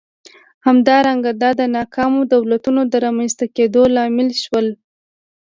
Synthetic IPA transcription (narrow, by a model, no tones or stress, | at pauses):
hamd̪ɑɾaŋɡad̪ɑd̪ənɑkʰɑmod̪awlat̪unod̪əɾɑmanst̪aked̪olɑmɪlʃwəl